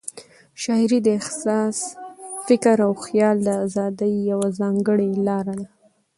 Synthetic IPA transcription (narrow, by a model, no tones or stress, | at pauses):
ʃɑɪɾid̪əɪxsɑsfɪkɾawxjɑld̪əazɑd̪əjːawazɑŋɡəɽelɑɾad̪a